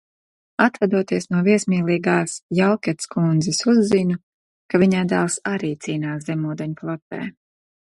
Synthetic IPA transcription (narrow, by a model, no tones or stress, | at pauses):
at̪vad̪uɔt̪iɛsnuɔviɛsmiːlˠiːɡaːsjalkʲɛt̪skund̪zisuzːinu | kaviɲajd̪alˠsaɾiːt̪siːnaːszɛmuːd̪ɛɲplˠɔt̪ɛ̰ː